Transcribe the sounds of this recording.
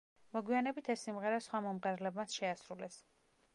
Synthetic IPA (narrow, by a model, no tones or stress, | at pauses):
mɔɡwianɛbit̪ʰɛsːimʁɛɾasχwamɔmʁɛɾlɛbmat̪sʃɛasɾulɛs